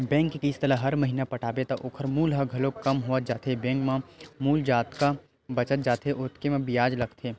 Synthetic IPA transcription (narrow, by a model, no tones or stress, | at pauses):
bɛ̃ːŋkːekiːst̪ələɦɐɾməɦiːnapɐʈʰaːbet̪ɐʔʊːkʰəɾmuːlɦəɡʱɐlokɐmɦoət̪̚d͡ʒaːt̪ʰebɛ̃ːŋkmãmuːld͡ʒaːt̪ka | bɐt͡ʃət̪̚d͡ʒaːt̪ʰeʔʊːt̪kemẽbɪjaːd͡ʒlɐɡt̪ʰeː